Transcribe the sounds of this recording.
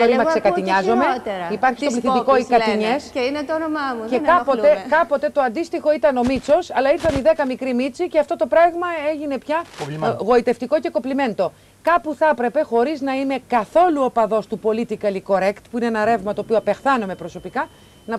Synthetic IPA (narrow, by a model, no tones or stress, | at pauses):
oɾimɐksekɐt̪iɲɐzo̞met̪ɾɐipɐɾçistoliθit̪ikoikɐt̪iɲeseinet̪onomɐmuekɐpoekɐpo̞t̪e̞t̪o̞ɐnd̪ist̪ixo̞it̪ɐno̞mit͡so̞sɐlɐiɾθɐniðe̞kɐmikɾimit͡siceɐft̪ot̪o̞pɾɐɣmɐe̞ʝine̞pçɐɣo̞it̪e̞ft̪iko̞ceko̞plime̞nd̪o̞ | kɐpuθɐpɾe̞pe̞xo̞ɾiznɐine̞kɐθo̞luopɐðo̞st̪upo̞lit̪ikɐliko̞ɾekt̪puineenɐɾe̞vmɐt̪o̞ːpioɐpe̞xθɐnome̞pɾo̞so̞pikɐ | nɐ